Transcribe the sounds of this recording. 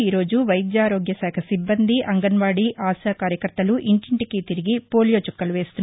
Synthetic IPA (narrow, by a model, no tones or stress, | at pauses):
iːɾo̞ːd͡ʒuʋɐjd̪jaːɾo̞ːɡjɐsɛːkʰɐsibːɐnd̪iʔɐŋɡɐnʋaːɽiʔaːsaːkaːɾjɐkɐɾt̪ːɐluʔiɳʈiɳʈikit̪iɾiɡipo̞ːlijo̞ːt͡ʃukːɐlʋe̞ːst̪unː